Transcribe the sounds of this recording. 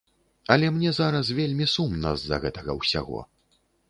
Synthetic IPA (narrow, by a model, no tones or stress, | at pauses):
ɐlʲɛmnʲɛzaɾɐs̬vʲelʲmʲisumnɐ̰zɐ̰ɣɛt̪ɐɣɐ̰wsʲa̰ɣɔ̰